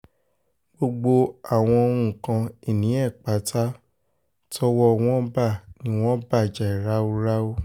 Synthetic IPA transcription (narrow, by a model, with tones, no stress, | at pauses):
ɡ͡bo˧ɡ͡bo˧a˦˨w̃ɔ̃˧o˧ɾ̃ũ˦˨kã˧i˦˨nĩ˨˦ɛ˦˨k͡pa˨˦tʰa˦ | tʰɔ˧˦wɔ˧w̃ɔ̃˦ba˦˨nĩ˨˦w̃ɔ̃˦ba˦˨d͡ʒa˨i˨ɾa˨˦o˧ɾa˦o˦